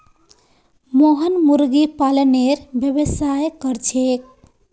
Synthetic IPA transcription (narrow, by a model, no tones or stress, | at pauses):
moɦənmuɾɡipaləneɾbjəbəsajkʌɾt͡ʃʰek̚